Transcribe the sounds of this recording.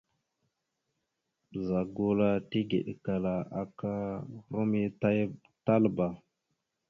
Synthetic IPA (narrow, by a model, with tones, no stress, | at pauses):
bə˨za˨ɡo˨la˨ti˦ɡḛ˨ɗka˨la˨a˨ka˦ɾo˦mi˦ta˦j | ta˦lba˨